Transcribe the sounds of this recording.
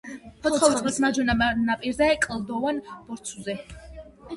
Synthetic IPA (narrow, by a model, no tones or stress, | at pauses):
pʰɔt̪χʰɔsʰmad͡ʒwɛnanapʼiɾzaɛkʼlˠd̪ɔvanb̥ɔɾt̪sʰuzɛ